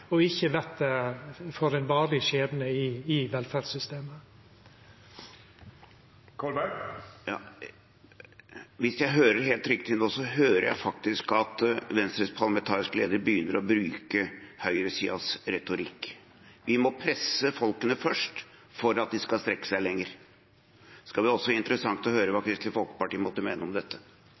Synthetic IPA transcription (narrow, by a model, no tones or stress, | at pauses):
ɔɪçːəʋɛt̪̚d̪ɛfɔɾɛnʋɑːɭɪʃeːd̪nəɪɪʋɛlfæɖsʏst̪eːmə | kʰɔlbæjɑ̰ | ʋɪsjæɪɦøːɾəɾɦeːlt̪ɾʏkt̪ʰɪnoːsɔɦøːɾəɾjæ̰ɪfɑk̚t̪ɪskɑt̪ʋɛnst̪ɾəspʰɑlɑmɛnt̪ʰɑːɾɪskəleːd̪əɾbəjʏnːəɾɔbɾʉːkəhœʏɾəsiːɑsɾɛt̪ʊɾɪkː | ʋɪmɔpʰɾɛsːəfɔlkənəfœʂʈfɔɾɑt̪̚d̪ɪskɑlst̪ɾɛkːə̥sæɪlɛŋːəɾ | skɑlʋɪɔsːɔʋɪnt̪əɾəsɑŋt̪ɔhøːɾəʋɑːkʰɾɪst̪ɪfɔlkə̥pɑʈiːəmɔt̪ːəmeːnəɔmd̪ɛt̪ʰːə